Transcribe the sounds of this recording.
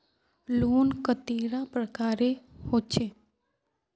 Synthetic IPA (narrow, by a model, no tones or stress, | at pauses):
loːnkət̪eːɾãpɾəkaːɾehoːt͡ʃʰeː